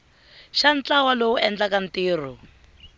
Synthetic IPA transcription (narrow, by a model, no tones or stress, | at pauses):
ʃant͡ɬawalowuɛnd͡ɮakan̩tiːr̤u